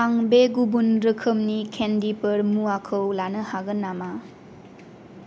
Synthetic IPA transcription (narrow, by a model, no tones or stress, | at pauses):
aŋbeɡubunɾɯkʰɯmnikʰendipəɾmuakʰɯwlanɯhaɡɯnːama